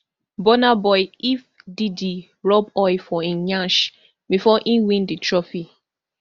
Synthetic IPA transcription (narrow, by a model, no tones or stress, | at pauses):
bɔnabɔɪif | didi | ɹɔbɔɪfɔiɲãʃ | bifɔʔĩwĩnditɹɔfi